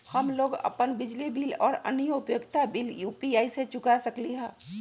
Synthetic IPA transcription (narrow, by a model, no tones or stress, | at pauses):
həmloːɡɐ̰pənbɪd͡ʒlibiːlɔːɾə̰njəʊpjəɡt̪abiːljuːpiaːiset͡ʃʊkasɐkliɦɛ̃ː